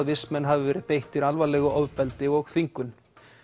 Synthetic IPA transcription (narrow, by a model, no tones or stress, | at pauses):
ðvɪsmɛnːɦavɪvɛːɾɪðpejht̪ɪɾalvalɛːɣʏʔɔːvpɛlt̪ɪɣɔɣθiŋkʏn